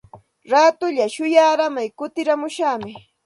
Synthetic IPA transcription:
ɾaːt̪ʊʎaʃʊjaːɾamajkʊt̪ɪɾamʊʃamɪ

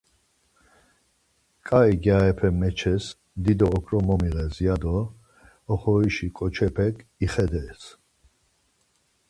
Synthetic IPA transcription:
kʼaiɡjaɛpʰɛmɛt͡ʃʰɛs | d̪id̪ɔːkʰɾɔmɔmiʁɛziad̪ɔː | χɔiʃikʼɔt͡ʃʰɛpʰɛkiχɛd̪ɛːs

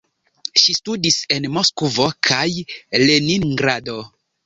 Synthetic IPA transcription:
ʃistudise̞nmoskuvokʰajleninɡɾado

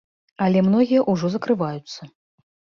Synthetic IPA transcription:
ɐlʲɛmnɔɣʲijɐʔuʐɔzɐkɾɨvajut̪sːɐ

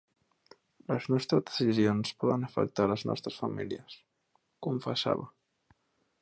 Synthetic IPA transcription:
ləznɔst̪ɾəzðəsizionspɔðənəfə̰k̚t̪aləznɔ̰st̪ɾəsfəmiliəs | kuɱfəsa̰βə

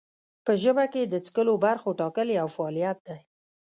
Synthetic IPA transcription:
pəʒəbaked̪ət͡skəlobaɾxoʈɑkəleawfaːlijat̪̚d̪aj

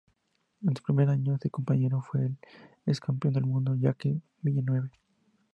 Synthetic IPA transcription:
ensu̥pɾimeɾaɲoðeko̞mpaɲe̞ɾofweːl | eskampjo̞nd̪elmũnd̪oʝake | miʝanwe̞βe

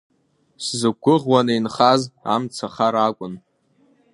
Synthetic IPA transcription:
szɨɡʷʊʁwanejnχaza̰mt͡sʰaχaɾakʷʼʊn

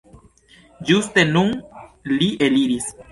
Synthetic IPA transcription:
d͡ʒust̪enunliʔeliɾis

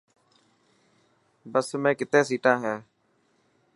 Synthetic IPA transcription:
bəsmẽːkɪt̪eːsiːʈãːɦɛː

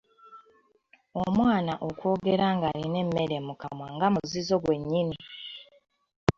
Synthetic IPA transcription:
omwaːnaʔokwo̞ːɡe̞ɾaːŋɡaline̞mːe̞ɾe̞mukamwaŋɡamuzizo̞ɡwe̞ɲːini

